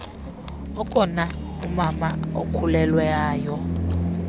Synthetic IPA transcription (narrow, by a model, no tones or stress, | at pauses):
ɔkʼɔnaumamaokʰulɛlwɛaːjɔ